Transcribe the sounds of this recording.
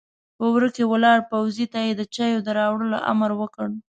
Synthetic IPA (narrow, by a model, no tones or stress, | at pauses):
pəwɾəkewəlɑɽpawzit̪ajed̪ət͡ʃajod̪əɾɑwɽəlo̰ʔa̰məɾwəkəɽ